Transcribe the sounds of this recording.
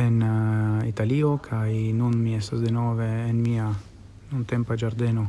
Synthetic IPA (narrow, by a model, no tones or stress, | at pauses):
enit̪aliːokʰajnonmiɛsasd̪enɔːveːnmiːa | nunt̪ɛmpad͡ʒaɾd̪ɛːno